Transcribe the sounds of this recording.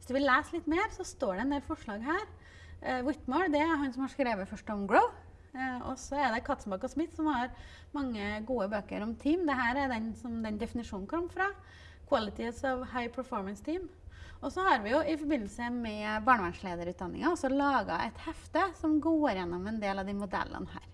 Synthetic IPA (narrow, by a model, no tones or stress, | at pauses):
ʋɪsd̪ʉʋɪlleːslɪt̪ːmeːɾsɔst̪oːɖɛɛnd̪eːlfɔʂɭɑːɡɦæːɾ | wɪt̪ːmɑd̪ɛæɾɦɑnsɔmhɑʂkɾeːʋəfœʂʈɔmɡɹoʊ | ɔ̰sɔɛd̪ɛkʰɑt̪sm̩bɑkɔsmɪt̪ːsɔmhɑɾ | mɑŋːəɡuːəbøːkə̰ɾɔmt̪ʰiːmd̪ɛɦæːɾæɾd̪ɛnsɔmd̪ɛnd̪ɛfɪnɪʂuːnn̩kʰɔmːfɾɑ | kʰwɑlɪt̪ɪsɔʋhɑɪpʰəɾfɔɾmənst̪ʰiːmɔsɔhɑɾʋɪjʊɪfɔɾbɪnːl̩səmɛbɑːɳəʋæɳʂɭeːd̪əɾʉːt̪d̪ɑnːɪ̰ŋɑɔsɔlɑːɡɑʔɛt̪hɛft̪əsɔmɡoːɾjɛnːɔmɛnd̪eːlɑʋd̪ɪmʊd̪ɛ̰lːə̰nhæ̰ːɾ